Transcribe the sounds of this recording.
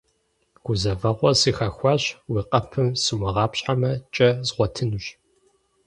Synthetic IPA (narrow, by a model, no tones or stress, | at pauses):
ɡ̥ʷʊzɐvɐʁʷɔsiːxɐxʷɑːɕwiːqɐpʰɨmsɨmɐʁɑːpɕʼħamɐt͡ʃʼɐzʁʷɔtʰɨnuɕ